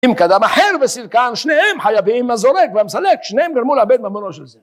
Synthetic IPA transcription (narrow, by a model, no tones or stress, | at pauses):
imkad̪amaħeʁvesilkanʃnehemħajaviimazoɾekvamsalekʃnehemɡaɾmulabed̪mamonoʃelze